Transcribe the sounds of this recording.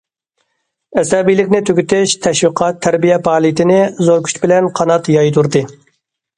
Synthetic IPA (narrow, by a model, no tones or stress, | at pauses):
ɛsɛbijlɪkʲnɪt̪ʰøɡʲyt̪ɪʃt̪ʰɛʃwiqʰɑt̪ʰːæɾbijɛpɑːlˠit̪ʰɪnɪzoɾkʲʰy̥t͡ʃbɪlɛnqʰɑnɑt̪jɑjd̪uɾd̪ɨ